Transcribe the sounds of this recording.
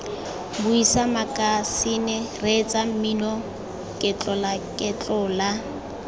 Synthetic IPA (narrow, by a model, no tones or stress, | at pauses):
bʊisamakʼasinɪret͡sʼam̩minɔ | kʼɛt͡ɬʼɔlakʼɛt͡ɬʼɔla